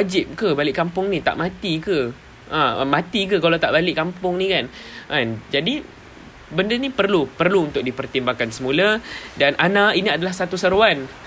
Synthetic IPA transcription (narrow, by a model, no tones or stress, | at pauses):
ad͡ʒɪp̚kəbalɪʔkampʊŋnit̪a̰ʔmãt̪ikə | ʔã̰mãt̪ik̬əkalawt̪aʔbalɪʔkampʊŋnikanʔand͡ʒadi | bəndənipərlupərluunt̪ʊk̚dipərt̪imbakansəmuladanʔanãiniadalahsat̪usəɾuan